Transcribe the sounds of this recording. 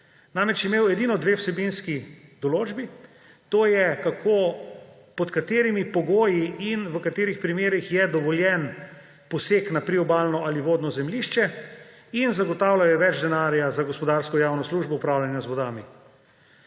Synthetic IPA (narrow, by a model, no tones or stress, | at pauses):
namɛt͡ʃjimeːwɛd̪iːnɔd̪ʋeːwsɛbinskid̪ɔloːd͡ʒbi | t̪oːjɛkakʰo | pɔt̪kat̪eːɾimipɔɡoːjiinʋəkat̪eːɾixpɾimeːɾixjɛd̪ɔʋɔljɛn | pɔseːknapɾiɔbaːlnɔʔaliʋoːd̪nɔzɛmliːʃt͡ʃɛ | inzaɡɔt̪aːwlajɛʋɛd͡ʒd̪ɛnaːɾjazaɡɔspɔd̪aːɾskɔjaːwnɔsluːʒbɔupɾaːwlʲjanjazʋɔd̪aːmi